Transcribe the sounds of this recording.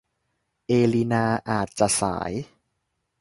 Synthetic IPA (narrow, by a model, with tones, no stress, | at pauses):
ʔeː˧li˧naː˧ʔaː˨˩t̪̚t͡ɕa˨˩sa̰ː˩˦j